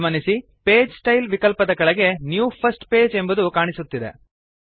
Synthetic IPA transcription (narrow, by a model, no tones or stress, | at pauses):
mɐnisi | pe̞ːd͡ʒsʈɐjlʋikɐlpɐd̪ɐɡɐɭɐɡe̞njuːpʰɐsʈpe̞ːd͡ʒe̞mbud̪ukaːɳisut̪ːid̪ḛ